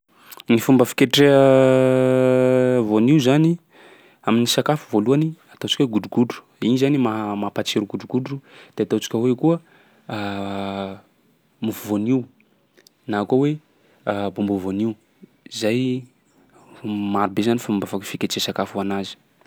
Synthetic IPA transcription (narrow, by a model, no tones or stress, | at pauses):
nifumbəfi̥kʲeʈ͡ʂeə | voniwzani | aminisakafu̥voluaniat̪ot͡ʃi̥kʲweɡuɖ͡ʐuɡuɖ͡ʐu̥ | inizanimamapat͡seɾuɡuɖ͡ʐuɡuɖ͡ʐud̪̥eat̪ot͡si̥kʲəwekuə | mufuvoniw | naːkowe | bumbuvoniw | izaj | maɾubezanifumbafakfikʲeʈ͡ʂesakafuanazi̥